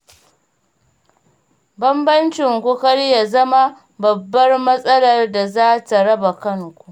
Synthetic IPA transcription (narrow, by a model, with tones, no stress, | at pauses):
bɐ˦mbɐ˦nt͡ʃɪ˨ŋkʷu˦kɐ˦ɽja˨zɐ˦ma˦ | bɐ˨bːɐ˦rmɐ˦sʼɐ˦lɐ˨rda˨zaː˦ta˨ɽɐ˦ba˨kɐ˦ŋkʷu˨ʔ